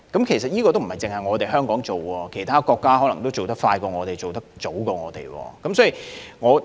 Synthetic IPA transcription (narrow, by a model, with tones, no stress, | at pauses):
kɐ˨˥mkʰe˨˩js̬ɐ˨t̚jiː˥kɔː˧t̪o˥m̩˨˩hɐ˨˩jt͡sɪ˨ŋhɐ˨jŋɔː˨˧t̪e˨jɦœː˥ŋkɔː˨˥ŋt͡so˨wkɔː˧kʰe˨˩jt̪ʰaː˥kɔː˧kːaː˥ɔ˨˥lŋt̪o˥wt͡so˨wt̪ɐ˥k̚faː˧jkɔː˧ŋɔː˨˧t̪e˨˩jt͡so˨wt̪ɐ˥k̚t͡so˨˥wkɔː˧ŋɔː˨˧t̪ḛ˨jwɔ̰ː˧kɐ˨˦msɔː˨˥ji˨ŋɔː˨˧